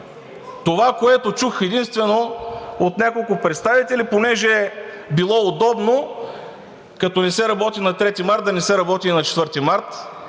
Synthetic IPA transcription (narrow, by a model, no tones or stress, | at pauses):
t̪ovakoɛt̪ot͡ʃuxɛd̪inst̪vɛnoot̪nʲakolˠkʊpɾɛt̪st̪avit̪ɛliponɛʒɛ | bilˠɔod̪ɔbno | kɐt̪ɔnɛsɛɾɐbɔt̪inɐt̪ɾɛt̪imaɾt̪̚d̪ɐnɛsɛɾɐbɔt̪inɐt͡ʃɛ̥t̪vɤɾt̪imaɾt̪